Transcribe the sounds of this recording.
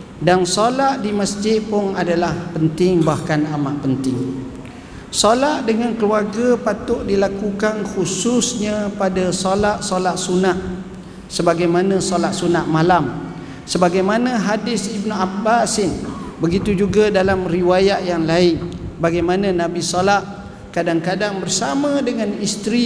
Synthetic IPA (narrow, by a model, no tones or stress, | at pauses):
dansolaʔdiməsd͡ʒɪt̪̚pʊnadalahpənt̪ɪŋbahkanamaʔpənt̪ɪŋ | solaʔdəŋãnkəluarɡapat̪ʊʔdilakukanxusʊsɲãpadasolaʔsolaʔsunaʔ | səbaɡajmanãsolaʔsunaʔmalam | səbaɡajmanãɦadɪsibnuabasɪnbəɡit̪ud͡ʒuɡadalamriwajaʔjaŋlaɪnbaɡajmanãnãbisolaʔ | kadaŋkadaŋbərsamãdəŋanist̪ɾi